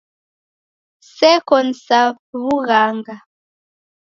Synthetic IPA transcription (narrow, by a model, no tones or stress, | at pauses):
sɛkɔn̩sapβuɣaŋɡa